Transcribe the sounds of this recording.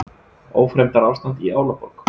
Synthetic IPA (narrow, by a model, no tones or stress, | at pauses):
oːwfɾejmt̪aɾawst̪ant̪iaːwlapɔlk